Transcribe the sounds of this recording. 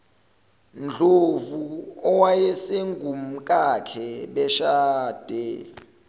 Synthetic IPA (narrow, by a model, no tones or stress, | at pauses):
nd͡ɮʱovuɔwajɛseŋɡʱum̩kʼakʰɛɓɛʃaːd̥ʱɛ